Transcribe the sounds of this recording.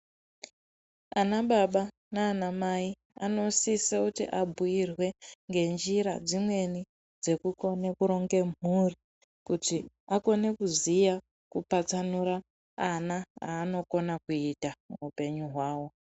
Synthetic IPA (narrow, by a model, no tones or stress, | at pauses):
anaɓaɓa | naːnamai | ano̞sisekutḭʔabʱujirwe̞ŋɡe̞nd͡ʒiɾa̰d͡zimwe̞ni | d͡ze̞kuko̞ne̞kuɾo̞ŋɡe̞muri | kuti | ako̞ne̞kuzija | kupat͡sanuɾaː | naa̰ːno̞ko̞nakuitamuupe̞ɲuɦwaːwo